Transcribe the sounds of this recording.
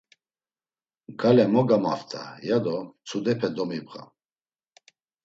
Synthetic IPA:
ɡalɛmɔɡama̰ft̪ʰʼa̰jad̪ɔt͡sʰud̪ɛpʰɛd̪ɔmipχa̰

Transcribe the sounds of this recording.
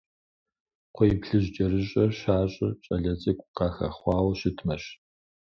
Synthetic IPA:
qʷʰɔjipɬɨʑd͡ʒɐrɨɕʼɐrɕaːɕʼɪt͡ʃʼɐɮɐt͡sʼɐkʷʼqɑːxɐ̰χʷɑːwɐɕɪtʰmɐɕ

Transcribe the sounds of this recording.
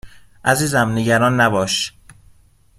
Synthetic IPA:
ʔæziːzæmneɟæɾɒːnːæbɒːʃ

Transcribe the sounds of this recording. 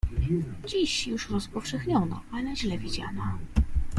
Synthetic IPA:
d͡ʑiɕjuʂɾɔspɔfʂɛxɲɔnɔ̰ʔalɛʑlɛvʲid͡ʑa̰nɔ

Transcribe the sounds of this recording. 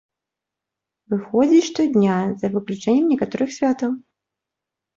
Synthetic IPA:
vɨxɔd͡zʲiʂt̪ɔd̪ʲnʲazɐvɨklʲut͡ʂɛnʲːɛmnʲɛkat̪ɔɾɨxsʲvʲat̪ɐw

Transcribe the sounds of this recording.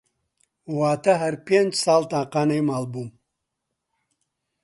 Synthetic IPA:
waːt̪ɐɦɐɾpeːnd͡ʒsaːlt̪aːqaːnejmaːlbuːm

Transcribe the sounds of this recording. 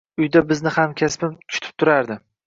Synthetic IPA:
ʊjd̪abɪznɪhamkʲʰaspɪmʰʊ̥ʃt̪ʰɪ̥p̚t̪ʰʊɾaɾd̪ɪ

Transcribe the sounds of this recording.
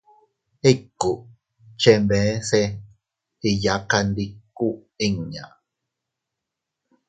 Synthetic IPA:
ekːu | t͡ʃembẽse | ijaqandikːu | iŋɲa̰

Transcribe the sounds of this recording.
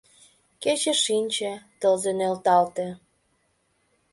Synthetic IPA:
ket͡ɕeʃinʲt͡ɕĕt̪əlzenølt̪ɑlt̪ĕ

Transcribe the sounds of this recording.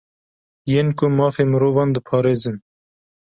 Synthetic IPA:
jeːnkʊmɑːfeːmɨɾoːvɑːnd̪əpʰɑːɾeːzɨn

